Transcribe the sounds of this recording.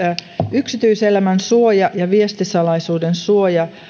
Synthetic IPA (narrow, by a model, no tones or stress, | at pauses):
yksit̪yiselæmænsuojɑjɑʋiest̪isɑlɑisuːdensuojɑ